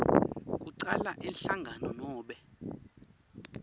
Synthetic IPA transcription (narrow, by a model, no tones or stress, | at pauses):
kʼuǀalaʔɛnɬaŋɡʱanɔnɔːɓɛ